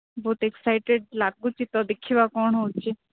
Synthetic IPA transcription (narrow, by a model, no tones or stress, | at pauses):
bɔːt̪eksaɪʈeɖ̚laːɡũt͡ʃʰit̪ɔd̪ekʰiʋakɔːɳɦot͡ʃʰe